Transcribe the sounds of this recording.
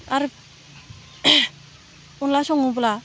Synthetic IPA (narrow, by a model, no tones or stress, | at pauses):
ʔaɾəp̚ | unlaɕʰɔŋopola